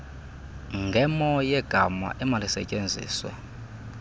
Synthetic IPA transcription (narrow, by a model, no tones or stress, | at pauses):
ŋɡʱɛmɔjɛɡ̥ʱama̰ʔɛmalisɛ̰cʼend͡zʱḭːswa̰